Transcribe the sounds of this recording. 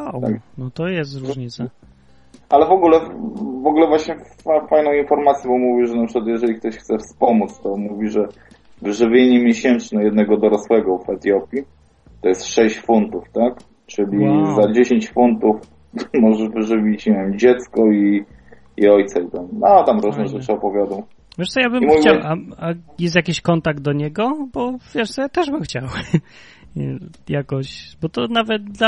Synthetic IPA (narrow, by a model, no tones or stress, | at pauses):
aknɔt̪ɔjɛsɾɲi | alɛvɔɡulɛvɔɡulɛvwaɕɲɛf | fajnɔ̃w̃infɔɾmat̪sʲjɔbɔmuvʲiʐɛnapʂɨ̥kwat̪jɛʐɛlʲik̚t̪ɔɕxt̪sɛfspɔmut̪st̪ɔmuvʲiʐɛ | vɘʐɘvʲjeɲɛmʲjeɕɛnt͡ʂnɛjɛd̪nɛɡɔd̪ɔɾɔswɛɡɔvɛt̪jɔpʲi | t̪ɔjɛst̪ʂɛɕt͡ɕfunt̪uft̪ak | t͡ʂɘlʲizad͡ʑeɕeɲt͡ɕfunt̪uf | mɔʐɛʐvɘʐɘvʲit͡ɕɲevʲemd͡ʑɛt̪skɔi | iɔjt̪sait̪amat̪amɾuʐnɛʐɛt͡ʂɨɔpɔvʲjad̪ɔw | vʲjɛʂtsɔjabɘmimuvʲt͡ɕawaajɛs̬t̪jakʲiɕkɔnt̪aɡ̚d̪d̪ɔɲɛɡɔbɔv̥ʲjɛʂt̪sɔjat̪ɛʐbɘmxt͡ɕaw | jakɔɕbɔt̪ɔnavɛt̪̚d̪la